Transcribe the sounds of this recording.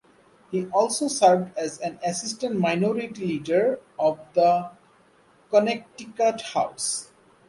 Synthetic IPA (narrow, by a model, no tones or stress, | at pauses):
hiʔɔːlsosəɾvɖæzæ̃næsɪsʈə̃ɳʈmaɪnɔɾiʈiliːɖəɾɔvd̪ə | kɔnek̚ʈikaʈhaʊs